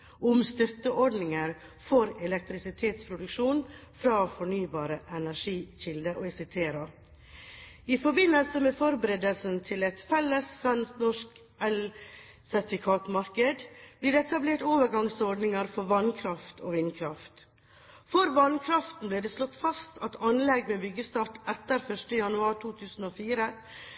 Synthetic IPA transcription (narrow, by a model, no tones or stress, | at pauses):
ʊmst̪œt̪ːəʔɔɖnɪŋəɾ | fɔɾɛlɛk̚t̪ɾɪsɪt̪ʰeːt̪spʰɾʊd̪ʉkʃuːnfɾɑːfɔɳyːbɑːɾəʔɛnæʂiːçɪld̪əʔoːɛsɛt̪ʰeːɾɑ | ifɔɾbɪnəlsəmeːfɔɾbəɾɛd̪əlsn̩t̪ʰɪlɛt̪fɛlːəsʋɛnsnɔʂk | ɛl | sɛɾt̪ɪfɪkʰɑːt̪mɑɾkəd̪b̥liːɖɛɛt̪ɑbleːʈoːʋəɾɡɑŋsɔɖnɪŋəɾfɔɾʋɑnkʰɾɑft̪ʰo̰ːʋɪnkʰɾɑft̪ | fɔɾʋɑnkʰɾɑft̪n̩bliːɖeːslɔt̪ːfɑst̪ʰɑt̪ʰɑnlɛɡmɛbʏɡəst̪ɑːʈɛt̪ːəɾfœʂʈəjɑnʉɑːɾʈʰuːt̪ʰʉːsn̩oːfiːɾə